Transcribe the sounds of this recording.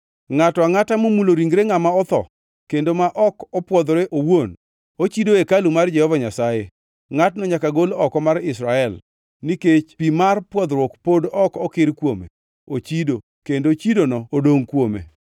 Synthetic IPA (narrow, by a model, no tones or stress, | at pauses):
ŋatɔaŋatamumuloɾiŋɡɾeŋamaɔt̪ɔ̰ | kendomaʔɔkɔpwɔd̪ɾeʔowon | ot͡ʃidoekalumard͡ʒɛhɔvaɲasaje | ŋatnɔɲakaɡolɔkɔmaɾɪsɾaɛl | niket͡ʃpimarpwɔd̪ɾwɔkpodɔkɔkɪɾkwomḛ | ot͡ʃido | kendot͡ʃidonɔːdoŋkwomḛ